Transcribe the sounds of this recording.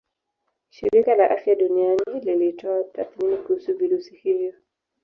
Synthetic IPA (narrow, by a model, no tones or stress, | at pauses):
ʃiɾikalaʔafjaɗunianililitɔataθminikuhusuviɾusihivjɔ